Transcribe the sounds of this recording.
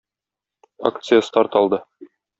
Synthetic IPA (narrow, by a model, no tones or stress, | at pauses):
a̰kt̪sɨjəst̪ɑɾt̪ɒlˠd̪ɤ